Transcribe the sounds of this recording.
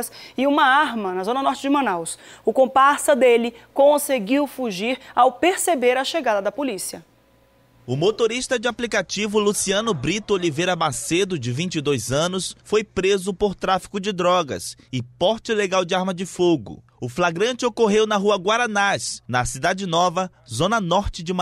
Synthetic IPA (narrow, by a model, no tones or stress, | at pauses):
sɪũmɐaɾmɐnɐzõnɐnɔɾt͡ʃɪd͡ʒɪmɐ̃nawsʊkõpasɐd̪elɪkõseɡiwfuʒiɾawpeɾsebeɾɐʃeɡad̪ɐd̪ɐpolisiɐ | ʊmot̪oɾiʃt̪ɐd͡ʒɪaplikat͡ʃivʊlusiɐ̃nʊbɾit̪ʊolivejɾɐmased̪ʊd͡ʒɪvĩt͡ʃɪd̪ojzɐ̃nʊsfojpɾezʊpoɾt̪ɾafi̥kʊd͡ʒɪd̪ɾɔɡɐ̰sɪpɔɾt͡ʃɪleɡawd͡ʒɪaɾmɐd͡ʒɪfoɡʊ̰ | ʊflaɡɾɐ̃nt͡ʃɪokoɦewnɐɦuɐɡwaɾɐnasnɐsid̪ad͡ʒɪnɔvɐzõnɐnɔɾt͡ʃɪd͡ʒɪm